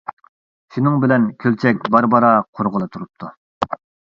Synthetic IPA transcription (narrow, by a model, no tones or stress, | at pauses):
ʃunɨŋbɪlɛnkʲʰølt͡ʃʰɛk̚ʲbɑɾbɑɾɑqʰoɾʁəlˠɨt̪ʰuɾup̚t̪ʰu